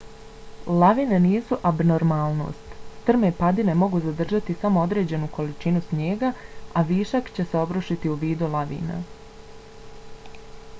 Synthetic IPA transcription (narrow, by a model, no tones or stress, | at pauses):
laʋine̞niːsuʔabnoɾmalˠno̞̰ːst̪t̪r̩me̞pad̪ine̞mo̞ɡuzad̪r̩ʒat̪isamoo̞d̪ɾe̞ːd͡ʑe̞nukʰo̞lit͡ʃinusmje̞ːɡaaʋiːʃakt͡ɕe̞se̞o̞bɾoʃit̪iuʋiːd̪ulˠaʋḭːna̰